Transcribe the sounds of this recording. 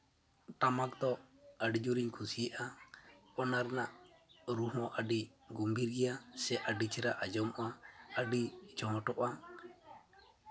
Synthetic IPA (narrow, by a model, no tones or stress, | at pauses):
ʈamak̚d̪ɔəɖid͡ʒuɾiɲkʰusiʔa | ɔnaɾnaʔɾuɦɔ̃ʔəɖi | ɡumbiɾɡɛjasɛʔəɖit͡ʃʰɛɾaʔad͡ʒɔmʔaəɖid͡ʒɔɦɔʈɔʔa